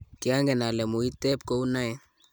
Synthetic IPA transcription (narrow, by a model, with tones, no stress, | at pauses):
kɪ˦a˦ŋɡɛ˨na˨lɛ˨mu˨i˦tɛ˦p̚ko˦u˦na˦ɛ˦